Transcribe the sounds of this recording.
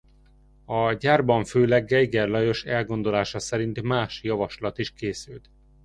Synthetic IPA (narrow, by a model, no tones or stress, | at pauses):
ɒɟaːrbɒɱføːlɛɡːɛjɡɛrlɒjo̞ʃɛlɡo̞nd̪o̞laːʃɒsɛɾint̪maːʃjɒvɒʃlɒt̪iʃkeːsylt̪